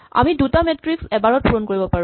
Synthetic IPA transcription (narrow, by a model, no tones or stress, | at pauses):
a̰midutamɛtɹiksɛbaɹɔt̚pʰuɹonkoɹibɔpaɹũ